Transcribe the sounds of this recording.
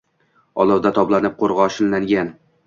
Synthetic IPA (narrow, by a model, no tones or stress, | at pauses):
ɒlˠɒwd̪at̪ʰɒblˠanɪp̚qʰoɾʁɑʃɪnːaŋɡʲan